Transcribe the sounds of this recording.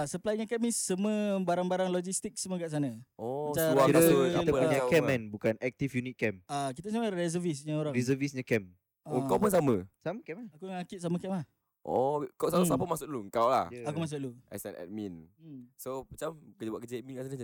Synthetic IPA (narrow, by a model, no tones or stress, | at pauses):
asəplajɲə̃kɛmissəməbaɾaŋbaɾaŋlɔd͡ʒist̪ik̚səməkaʔsanəɔt͡ʃaaiɾakit̪əppuɲakɛanbukanɛk̚t̪ifjunit̪̚kɛmak̬it̪aəsamaɾɛzəvisɲãoɾaŋɾɛzəvisɲakɛm | ukawpuns̬amə̃saməkɛmnakuaŋakit̪ʔ̚s̬aməkɛmlah | ʔɔkasasapəmasʊʔluŋkawla̰hakumas̬ʊʔlua̰sɛ̰nɛ̰t̚minsopət͡ʃamkəd͡ʒəbaʔkəd͡ʒemĩŋkasanə